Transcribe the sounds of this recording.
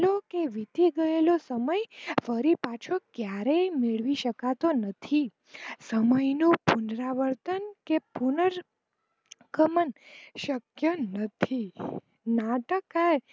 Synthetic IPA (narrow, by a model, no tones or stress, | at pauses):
lokeʋit̪iɡəelosəməjfəɾipat͡ʃʰokjaɾejmeɭʋiʃəkat̪onət̪ʰi | səməjnopunɾaʋəɾt̪ənkepunəɾ | kəmənʃəkjənət̪ʰi | naʈəkːaɾ